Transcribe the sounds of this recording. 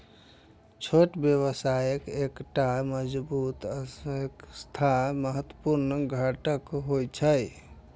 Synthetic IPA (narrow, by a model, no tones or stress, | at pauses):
t͡ʃʰoʈbjəβəsajəkekʈaməd͡ʒbut̪əekst̪ʰaməɦət̪ːəpuɾnɡʱaʈəkɦojt͡ʃʰəj